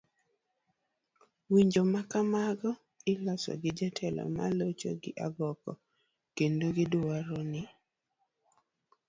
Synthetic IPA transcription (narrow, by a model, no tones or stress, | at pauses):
wiɲd͡ʒomakamaɡɔ | ɪlasɔ̰ɡɪd͡ʒatʰɛlɔ̰ma̰lot͡ʃo̰ɡɪʔaɡɔkɔ | kendoɡɪdʊaɾonɪ